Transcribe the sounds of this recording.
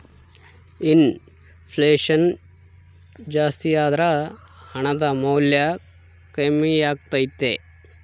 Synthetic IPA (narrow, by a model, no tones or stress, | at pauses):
in | pʰleːʂɐn | d͡ʒaːst̪ijaːd̪ɾɐ | hɐɳɐd̪ɐmɐwlja | kɐmijaːɡ̚t̪ɐjit̪ːḛ